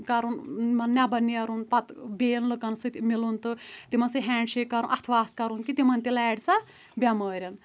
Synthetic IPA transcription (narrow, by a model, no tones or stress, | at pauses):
kɐɾunmɐnnːʲabɐniɐɾunpɐt̪beːjnlɨkɐnsɨt̪milunt̪ɨt̪imɐnsɨɦɛːɳɖʃekːɐɾunʔɐt̪ʰʋaːskɐɾunkit̪imɐnt̪ʲilɛːɖsɐ | bʲɐməːɾʲɐn